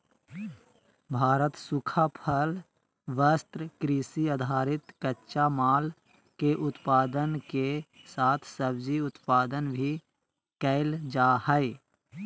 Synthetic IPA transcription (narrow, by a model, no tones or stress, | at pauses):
bʱaːɾət̪sʊkʰapʰəl | ʋəst̪ɾəkɾiːsiəd̪ʱaːɾɪt̪kətːʃamaːl | keʔʊt̪paːd̪ənke | saːt̪ʰsəbd͡ʒiʊt̪paːd̪ənbʱi | kəɪld͡ʒaːhəɪ